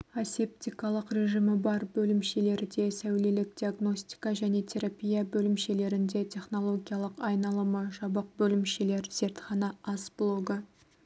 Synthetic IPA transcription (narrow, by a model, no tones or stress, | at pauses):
asep̚t̪ʲikɑlˠəqɾʲe̞ʒimɪbɑɾbɵlɪmʃe̞le̞ɾɪd̪e̞sæwle̞lɪk̚d̪ʲiaɡno̞sʲt̪ʲi̥kɑʒæne̞t̪ʰe̞ɾapʲijɑbɵlɪmʃe̞le̞ɾɪnd̪e̞t̪ʲʰe̞χno̞lˠo̞ɡʲijɑlˠəqɑjnɑlˠəməʒɑbəq̚bɵlɪmʃe̞le̞ɾz̥e̞ɾt̪χɑnɑʔɑsblˠo̞ɡə